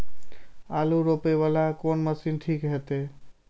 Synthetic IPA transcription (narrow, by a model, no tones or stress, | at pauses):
aluɾopeβalakonməsinʈʰikɦet̪e